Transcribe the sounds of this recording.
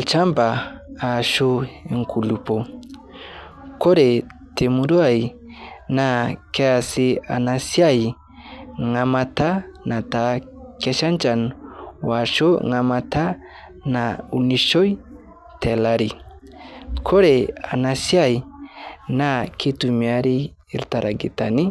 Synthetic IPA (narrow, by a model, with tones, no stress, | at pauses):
lt͡ʃa˦mba˨a˨ʃo˦e˨ŋkʰu˨lu˨pɔ˨ | kɔ˦ɾe˨ | te˨mu˨ɾu˦a˦˨i˨na˦kɛ˦a˨si˦a̰˨na˨sja˦˨i˨ | ŋa˨ma˧ta˦na˨ta˨kɛ˦ʃa˦nt͡ʃa˨nwa˨ʃo˦ŋa˨ma˨ta˦ | na˨u˨ni˨ʃɔ˦j | tʰɛ˨la˨ɾi˨ | kʰɔ˦ɾe˨a̰˨na˨si˦a˦i˨ | na˦kʰi˦tu˨mi˨a˦ɾiː˦˨ | ɾta˨ɾʔa˨ɡḭ˨ta˨ni˦